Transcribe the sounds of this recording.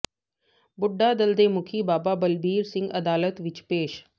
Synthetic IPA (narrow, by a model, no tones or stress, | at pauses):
bʊɖːaːd̪əld̪eːmʊkʰibaːbabəlbiːɾsɪ̃ŋɡɐd̪aːlət̪ʋɪt͡ʃpeːʃ